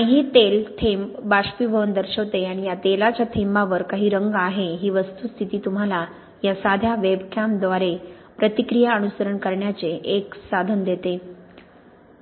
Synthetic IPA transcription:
ãɦiːt̪elt̪ʰembaɕpiʋʱənd̪əɾɕəʋt̪eaɽ̃ijat̪elat͡ɕjat̪ʰembaʋəɾkaɦiːɾəŋɡaɦeɦiːʋəst̪ust̪ʰit̪iːt̪um̤ala | jasad̪ʱjaʋebkʰampd̪ʋaɾe | pɾət̪ikɾijaənusəɾəɳkəɾɳjat͡seʔeksad̪ʱənd̪et̪e

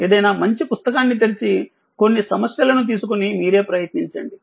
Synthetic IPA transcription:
e̞ːd̪ɐjnaːmɐɲt͡ʃipust̪ɐkaːnːit̪̬elit͡ʃi | ko̞nːisɐmɐsjɐlɐnut̪̬iːsukunimiːɾe̞ːpɾɐjɐt̪niɲt͡ʃɐɳɖi

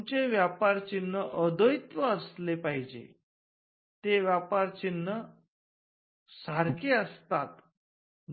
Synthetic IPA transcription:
ut͡ɕeʋjapaɾt͡ɕinːəʔəd̪əjt̪ʋəəslepaɦid͡ʑḛ | t̪eʋjapaɾt͡ɕinːə | saɾkʰeəst̪at̪

